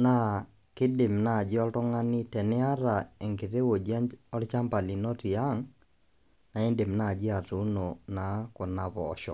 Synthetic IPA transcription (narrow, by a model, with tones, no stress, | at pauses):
na˦ | kɪ˦de˨mna˦˨d͡ʒɪ˦ɔ˦ltɔ˦ŋa˦nɪ˦tɛ˨nɪ˦a˦ɾa˨e˨ŋke˨ɾe˦wo˨d͡ʒɔ˦lt͡ʃa˦mpa˨li˨nɔ˦ti˨a˦ŋ | na˨e˦nde˨mna˦˨d͡ʒɪ˦a˨ɾu˦no˨na˨˦kɔ˨na˨βɔː˨ʃɔ̰˨